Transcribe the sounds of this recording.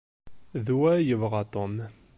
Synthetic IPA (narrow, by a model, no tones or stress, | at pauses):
ðuwæjəvʁɑt̪ˤom